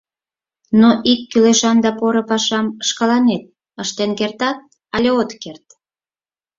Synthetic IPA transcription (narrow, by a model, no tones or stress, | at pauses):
noʔikːyleʃɑnd̪ɑpoɾopɑʃɑməʃkɑlɑnet̪̚ | əʃt̪enkert̪ɑt̪̚ | ɑlʲeot̪kert̪